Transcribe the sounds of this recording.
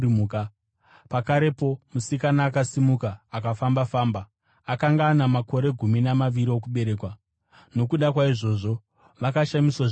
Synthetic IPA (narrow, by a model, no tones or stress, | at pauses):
uːka | pakaɾe̞po̞musikanaːkasimukaːkafambafaːmba | akaŋɡaːnamako̞ɾe̞ɡʱuminamaʋiɾio̞kuɓe̞ɾe̞ːkwa | no̞kuɗakwaiʐo̞ʐo̞ | ʋakaʃamiswa